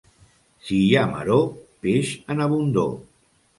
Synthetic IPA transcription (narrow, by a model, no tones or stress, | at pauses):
sijamə̰ɾopeʃənaβund̪o̰